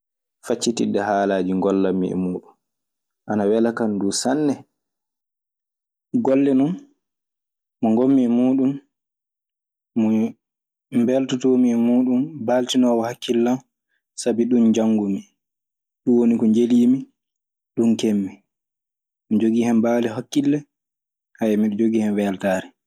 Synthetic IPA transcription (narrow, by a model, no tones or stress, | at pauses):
fat͡ʃːitḭdːɛhaːlaːd͡ʒiŋɡɔlːamːḭɛ̰muːɗun | ʔanawɛlakanduːsanːɛ | ɡɔlːɛnɔn | mɔŋɡomːiɛmuːɗum | mɔ | mbɛltutomimuːɗumbaltinɔːwɔhakːilːam | sabiɗund͡ʒaŋɡumi | ɗuwonikɔɲd͡ʒeliːmi | ɗunkemːɛ | mid͡ʒoɡihɛmbalɛɦokːilːɛ | hajɛmiɗɔd͡ʒoɡiːhɛmwɛltaːɾɛ